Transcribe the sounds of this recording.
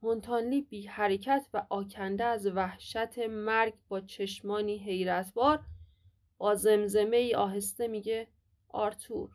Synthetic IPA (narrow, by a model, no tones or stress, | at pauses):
mont̪ʰɒːnliːbiːhæɾe̞cʰæt̪ʰvæʔɒːcʰænd̪eːzvæhʃæt̪ʰe̞mæɾɡbɒːt͡ʃʰe̞ʃmɒːniːɦe̞jɾæt̪ʰbɒːɾ | b̥ɒːze̞mze̞me̞iːʔɒːɦe̞st̪e̞miːɟe̞ | ʔɒ̰ːɾt̪ʰuːɾ